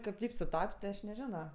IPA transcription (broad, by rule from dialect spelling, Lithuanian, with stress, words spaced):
ˈkɐɪp ˈtɐɪp sʊˈtɐpʲtʲ tʲɪ ˈɐʃ nʲɛˈʒʲɪnoː